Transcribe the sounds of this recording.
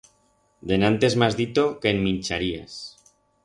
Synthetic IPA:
d̪e̞nãnt̪e̞zmazðit̪o̞ke̞ːnmĩnt͡ʃaɾia̰s

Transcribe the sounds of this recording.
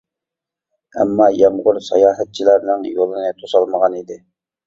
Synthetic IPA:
ɛ̰mːɑːjɑmʁʊɾsɑ̰jɑːɦɛt̪̚t͡ʃʰilæɾnɪŋjolˠɨnɨt̪ʰosɑlˠməʁɑnid̪ɪ

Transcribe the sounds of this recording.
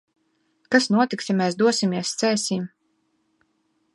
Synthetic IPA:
kasnuɔt̪iksjamɛːsd̪uɔsimiɛst̪sɛːsʲim

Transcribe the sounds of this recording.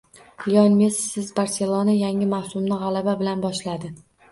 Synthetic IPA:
jɒnmesːɪzbaɾse̞lˠonajaŋɪmawsʊmnɪʁɑlababɪlanbɒʃlad̪ɪ

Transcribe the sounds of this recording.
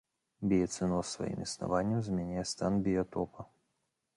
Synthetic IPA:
bʲɪjɛt̪sɨnɔsːvɐ̰jḭmisna̰vanʲːɐmzmʲɛnʲajɛst̪anbʲɪjɐt̪ɔpɐ

